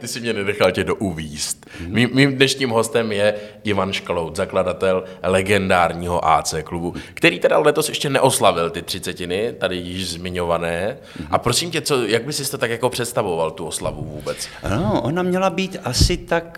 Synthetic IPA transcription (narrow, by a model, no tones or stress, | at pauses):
t̪ɪsɪmɲɛnɛdɛxalcɛdoʔuviːst̪miːmːiːmdnɛʃɲiːmɦo̞st̪ɛmjɛʔɪvanʃklowt̪zakladat̪ɛllɛɡɛndaːɾɲiːɦo̞̰ʔa̰ːt͡sɛːklubukt̪ɛɾiːt̪ɛdalɛt̪o̞sjɛʃcɛnɛʔo̞slavɪlt̪ɪt̪r̥ɪt͡sɛcɪnɪt̪adɪjɪʃzmɪɲo̞vanɛː | ʔapɾosimcɛt͡so̞jaɡ̚bɪsɪsɪt̪ot̪akjako̞pr̝̥ɛt̪st̪avo̞valt̪uʔosla̰vuvuːbɛt͡sʔanoʔonamɲɛlabiːt̪ʔasɪt̪ak